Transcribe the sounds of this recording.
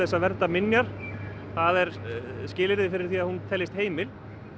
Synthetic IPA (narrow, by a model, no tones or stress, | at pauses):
ɛsːavɛɾt̪amɪnjaɾ̥θaðɛɾscɪːlɪɾðɪfɪɾɪɾ̥θiːaðhunt̪ʰɛlːɪst̪heːjmɪl